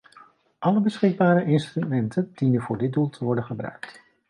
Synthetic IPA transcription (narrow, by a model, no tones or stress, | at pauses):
ʔɑləbəsχɪɡ̚baːɾəʔɪnstrymɛntʰənd̥inənvʊːɹdɪt̚dulˠtʰəʋɔɹdənχəbrœ̰ɥk̚t